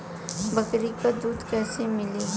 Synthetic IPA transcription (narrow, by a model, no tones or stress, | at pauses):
bɐkɾikad̪uːd̪kɛːsemɪli